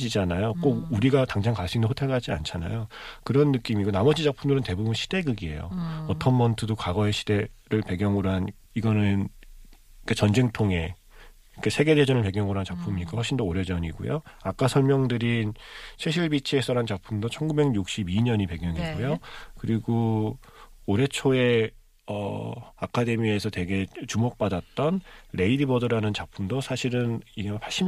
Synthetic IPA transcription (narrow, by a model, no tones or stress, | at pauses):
d͡ʑid͡ʑanajok͈oɡuɾiɡataŋd͡ʑaŋkaɭs͈iŋndoɸʰotʰeɡad͡ʑia̰nt͡ɕʰana̰jokɯɾʌnːɯk͈imiɡonamʌd͡ʑid͡ʑak̚pʰumdɯɾɯnte̞bubunɕʰid̥e̞ɡɯɡie̞̰jo̰ʌtʰʌnmʌntʰɯdokaɡʌeɕʰid̥e̞ɾɯɭpe̞ɡjʌŋɯɾoɦan | iɡʌnɯn | ik͈ʰat͡ɕʌnd͡ʑeŋtʰoŋe̞ | kʰesʰe̞ɡe̞ded͡ʑʌnɯɭpe̞ɡjʌŋɯɾoɦant͡ɕak̚pʰumiɲik͈ahwʌɭɕ͈ʰindooɾe̞d͡ʑʌɲiɡṵjoak͈asʰʌɭmjʌŋdɯɾinsʰeɕʰiɭbit͡ɕʰiesʰʌɾant͡ɕapʰumdot͡ɕʰʌnɡube̞ɡjuk̚ɕ͈ibiɲʌɲipe̞ɡjʌŋiɡojokɯɾiɡoː | ɾe̞t͡ɕʰoe̞ | ʌ̰akʰade̞miesʰʌte̞ɡe̞t͡ɕumok̚p͈adat̚t͈ʌnɾe̞idibʌdɯɾanɯnt͡ɕapʰumdosʰaɕʰiɾɯniɡepʰaɭɕ͈i